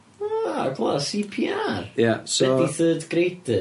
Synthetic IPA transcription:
akʰvasipʰiaɾjasɛiθʏːd̪ɡ̥ɾejt̪ɪ

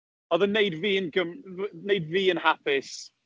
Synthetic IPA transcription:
ɔðəneɪdviːə̃nɡəmnejdviːə̃nhapʰɪs

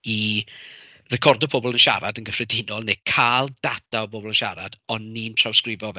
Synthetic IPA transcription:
i | rɛkʰɔrdɔbʰoːbɔlˠənʃa̰ɾadənɡəfrɛdɪnɔlˠnekʰaːlˠdadaɔboːbɔlˠənʃa̰ɾad̥ɔnːiːntʰrawskrɪvɔvɛ

